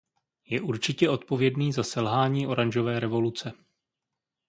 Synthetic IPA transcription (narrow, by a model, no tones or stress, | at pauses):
jɛʔuɾt͡ʃɪcɛo̞t̪po̞vjɛdniːzasɛlɦaːɲiːʔo̞ɾaɲʒo̞vɛːɾɛvo̞lut͡sɛ